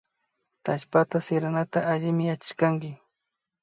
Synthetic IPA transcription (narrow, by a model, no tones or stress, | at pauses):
t̪aʃpat̪asɪɾanat̪aʔaʎɪmɪjat͡ʃɪ̥ʃkaŋɡɪ